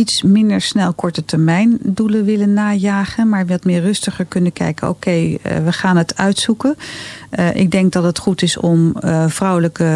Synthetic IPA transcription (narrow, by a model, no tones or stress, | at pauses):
itsmɪndəɹsnɛlˠkɔɹtətɛɹmɛjnduləʋɪlənːaːjaːχənmaːɹʋɑtmɪːɹrɵstəχəɹkɵnəkɛ̰jkəno̰wkejʋəχaːnɦətœɥtsukən | ʔɪ̰ɡ̚dɛŋk̚dɑtətχutɪsɔmv̥rʌwləkə